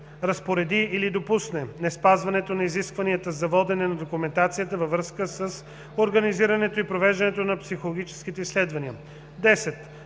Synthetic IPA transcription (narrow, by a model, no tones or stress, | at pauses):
ɾɐspoɾɛd̪iːlid̪opusnɛnɛspazvɐnɛt̪onɐiziskvɐniət̪əzɐvɔd̪ɛnɛnɐd̪okumɛnt̪at̪sijət̪əvɐvɾɤskəsəs | oɾɡɐniziɾɐnɛt̪oipɾovɛʒd̪ɐnɛt̪onɐpsixolˠoɡʲit͡ʃɛ̥sk̟it̪ɛislɛd̪vɐniə | d̪ɛsɛt̪